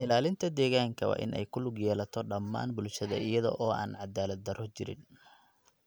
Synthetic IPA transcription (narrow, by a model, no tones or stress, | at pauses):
ʔɪlaːlɪnt̪ʰɐd̪ɛːɣaːŋkʰɐwɑ̰ːʔɪ̰nʔɛ̰jkʰʊlʊɡjɛːlɐt̪ʰɔɖɐmːa̰ːnbʊlʃɐðɐ̰ɪjɐðɔ̰ʔɔːʔa̰ːnʕɑd̪aːlɐd̪̚ːɐɾɔt͡ʃɪɾɪ̰n